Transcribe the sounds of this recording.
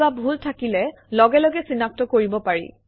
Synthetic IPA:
abʱultʰakilɛ | lɔɡɛlɔɡɛsinap̚tɔkoɹibɔpaɹḭ

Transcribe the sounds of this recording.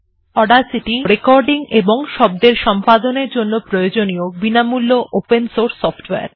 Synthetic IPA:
ɔɖaɾsiʈiɾekɔɾɖiŋeboŋʃɔb̚d̪eɾʃɔmpad̪oneɾd͡ʑonːopɾojod͡ʑoniobinamulːoʔopensoɾsːɔfʰʈea̰ɾ

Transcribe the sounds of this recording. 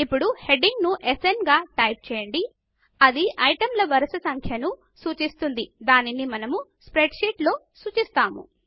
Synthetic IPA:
ipːuɽuhe̞ɖiŋɡnuʔesenɡaːʈɐjp̚t͡ʃɛːjɐɳɖi | ɐd̪iʔɐjʈɐmlɐʋɐɾɐsɐsɐŋkʰjɐnu | suːt͡ʃist̪und̪id̪aːninimɐnɐmuspɾeɖʃiːʈlo̞ːsuːt͡ʃist̪aːmṵ

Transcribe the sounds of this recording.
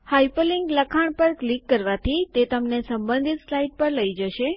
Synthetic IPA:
hajpəliŋɡləkʰaɳ̃pəɾklikːəɾʋat̪ʰit̪et̪əmnesəmbə̃nd̪ʱit̪slaiʈ̚pəɾləid͡ʒəʃe

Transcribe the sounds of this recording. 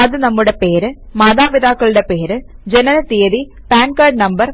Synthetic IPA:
ɐðɯnɐmːɯɽepeːɾɨmaːðaːʋiðaːkːɐɭɯɽepeːɾɨd͡ʑɛnɐnɐt̪ijɐði | paːnkaːɖnɐmbɐɾ

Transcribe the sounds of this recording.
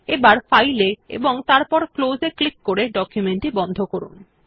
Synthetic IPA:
ebaɾfajleḛboŋt̪aɾpɔɾklozeklikːoɾeɖɔkjumeɳʈibɔnd̪ʱokoɾṵn

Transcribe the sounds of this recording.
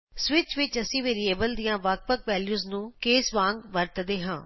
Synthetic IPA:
sʋɪt͡ʃʋɪt͡ʃəsĩːʋeːɾieːbəld̪ijãːʋaːk̚pəkʋɛːljuːznũːkeːsʋãːŋɡʋəɾt̪d̪eːɦãː

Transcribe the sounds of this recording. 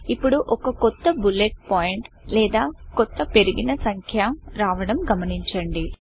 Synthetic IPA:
ipːuɽuʔɔkɐkɔt̪ːɐbuleʈ̚paːjiɳʈ | lɛːd̪aːkɔt̪ːɐpe̞ɾiɡinɐsɐŋkʰjaːmɾaːʋɐɽɐmɡɐmɐniɲt͡ʃɐɳɖi

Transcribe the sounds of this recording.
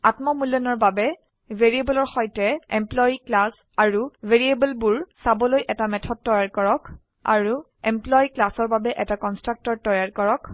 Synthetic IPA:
atmɔmuljɔnɔɹbabɛ | vʱeɹiebɔlɔɹxɔjtɛɛmplɔjiklas | aɹuveɹiebɛlbuɹsabɔlojʔɛtamɛtʰɔd̚tːɔjaɹkɔɹɔk | a̰ɹu | ɛmplɔjiklasɔɹbabɛʔɛtakɔnstɹak̚tɔɹtɔjaɹkɔɹɔk

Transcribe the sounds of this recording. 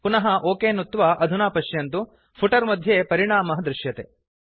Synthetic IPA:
punɐɦɐʔoːkeːnut̪ːʋɐʔɐd̪ʱunaːpɐʂjɐnt̪u | pʰuʈɐɾmɐd̪ʱjeːpɐɾiɳaːmɐɦɐd̪ɾɪʂjɐt̪e

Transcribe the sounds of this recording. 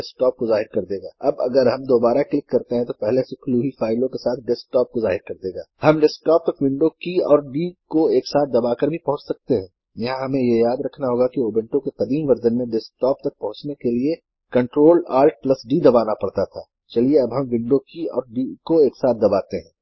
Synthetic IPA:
ɛs̚ʈɔːp̚kozaːɦɪɾkɐɾd̪eːɡaːʔɐbɐ̰ɡəɾɦɐmd̪oːbaːɾaklɪkːɐɾt̪eɦɛ̃t̪opɛɦlesekluːɦifaːɪlõkesaːt̪̚ʰɖɛsk̚ʈɔːp̚kozaːɦɪɾkɐɾd̪eːɡaːhɐmɖɛsk̚ʈɔːp̚t̪ɐkʋɪ̃ɳɖokiɔ̰ːɾɖikoeːksaːt̪̚d̪ɐbaːkɐɾbʱipɐɦʊ̃t͡ʃsɐk̚t̪eɦɛ̃ː | jɐɦãɦɐmẽjejaːd̪ɾɐkʰnaɦoːɡakioːbɛ̃ɳʈõkeqɐd̪iːmʋɐɾd̪ənmẽɖɛsk̚ʈɔːp̚t̪ɐk̚pɐɦʊ̃t͡ʃnekelie | kɐ̃ɳʈɾoːlaːɾʈ̚plɐsɖid̪ɐbaːnapɐɽt̪at̪ʰaː | t͡ʃɐlieɐbɦɐ̃mʋɪ̃ɳɖokiɔ̰ːɾɖikoeːksaːt̪̚d̪ɐbaːt̪eɦɛ̃ː

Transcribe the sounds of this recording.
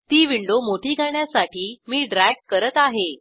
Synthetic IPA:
t̪iːʋiɳɖomoʈʰiːɡʱaɳjasaʈʰiːmiːɖɾaɡ̚kəɾət̪aɦe

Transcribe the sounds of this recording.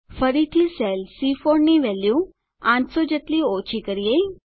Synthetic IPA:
fəɾit̪ʰiselsifoɾniʋɛljũ | ãʈsod͡ʑet̪liot͡ɕʰikəɾijei

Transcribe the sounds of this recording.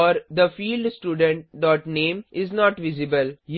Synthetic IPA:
ɔːɾd̪əfiːlɖsʈjuːɖə̃ɳʈɖɔːʈnẽːmʔɪznɔːʈʋɪzɪbəlj

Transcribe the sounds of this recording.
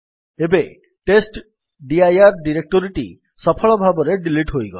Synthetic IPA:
ebe | ʈesʈ | ɖiajaɾɖiɾek̚ʈoɾiʈḭ | sɔpʰɔɭɔbʱabɔɾeɖiliʈɦojɡɔ

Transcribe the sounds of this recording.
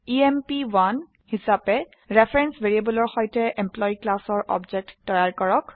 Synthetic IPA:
iempiwan | hisapɛ | ɹepʰɹɛnsbeɹiabɔlɔɹxɔjtɛʔemplɔiklasɔɹʔɔ̰bd͡ʒɛk̚tːɔjaɹkɔɹɔk

